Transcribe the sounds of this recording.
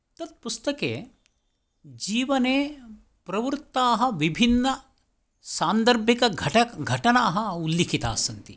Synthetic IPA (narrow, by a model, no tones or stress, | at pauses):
t̪ɐt̪̚pust̪ɐkḛː | d͡ʒiːʋɐneː | pɾɐʋɾt̪ːaːɦɐ̆ʋibʱinːɐ | saːnd̪ɐɾbʱjikɐɡʱɐʈɐɡʱɐʈɐnaːɦɐulːikʰit̪a̰ːsɐnt̪i